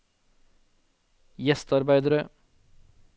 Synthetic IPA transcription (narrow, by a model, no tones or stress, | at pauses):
jɛst̪ɑɾbæɪd̪əɾə